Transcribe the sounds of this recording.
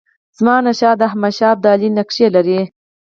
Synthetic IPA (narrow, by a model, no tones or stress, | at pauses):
z̥mɑnaʃɑd̪əhmaʃɑːb̚d̪ɑːlinakʂelaɾi